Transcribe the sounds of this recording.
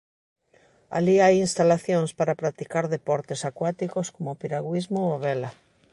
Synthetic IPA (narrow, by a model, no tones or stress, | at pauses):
a̰liajinst̪alaθjoŋspaɾapɾat̪ikaɾðepɔɾt̪esakwat̪ikoskomopiɾaɣwizmoaβɛla